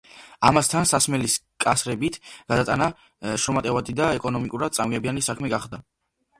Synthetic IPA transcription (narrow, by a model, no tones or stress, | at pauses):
amast̪ʰansasmɛlis | kʼasɾɛbit̪ʰɡ̥ad̪at̪ʼana | ʃɾɔmat̪ʼɛvad̪id̪aɛkʼɔnɔmikʼuɾad̪̚sʼamɡɛbianisakʰmɛɡaχd̪a